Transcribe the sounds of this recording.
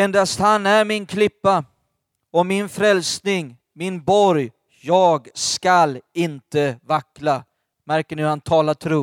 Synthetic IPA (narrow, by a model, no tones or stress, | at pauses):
ɛnd̪ast̪hanæɾmɪnkʰlɪpːa | ɔmɪnfɾɛlsnɪŋ | mɪnbɔɾj | jɑːɡskalɪnt̪əvakːɾa | mæɾkəɳɪhant̪ʰɑːlaʈʰɾuː